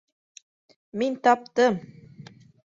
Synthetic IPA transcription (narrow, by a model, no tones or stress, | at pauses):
minʲt̪ɑp̚t̪ɤm